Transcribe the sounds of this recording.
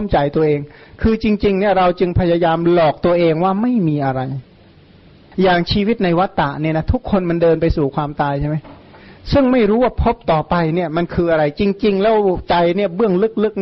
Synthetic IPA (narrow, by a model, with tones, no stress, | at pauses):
mt͡ɕa˧jt̪u˧ɐʔeː˧ŋkʰɯː˧t͡ɕi˧ŋt͡ɕi˧ŋni˥˩ɐɾa˧wt͡ɕɯ˧ŋpʰa˧ja˧jaː˧mlɔː˨˩k̚t̪u˧ɐʔeː˧ŋwaː˥˩ma˥˩jmiː˧ʔa˧ɾa˧j | jaː˨˩ŋt͡ɕʰiː˧wi˦˥t̪̚na˧jwa˦˥t̪ːa˨˩ʔni˥˩na˦˥t̪ʰu˦˥kʰːo˧nma˧ndɤː˧npa˧jsuː˨˩kʰwaː˧mt̪aː˧jt͡ɕʰa˥˩ma˦˥j | sɯ˥˩ŋma˥˩jɾuː˦˥waː˥˩pʰo˦˥p̚t̪ɔː˨˩pa˧jni˥˩ɐma˧nkʰɯː˧ʔa˧ɾa˧jt͡ɕi˧ŋt͡ɕi˧ŋlɛː˦˥wt͡ɕa˧jni˥˩ɐbɯ˥˩əŋlɯ˦˥k̚lɯ˦˥k̚